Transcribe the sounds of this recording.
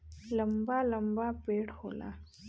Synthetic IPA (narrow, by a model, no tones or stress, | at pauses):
lɐmbaːlɐmbaːpeːɽho̰ːla̰ː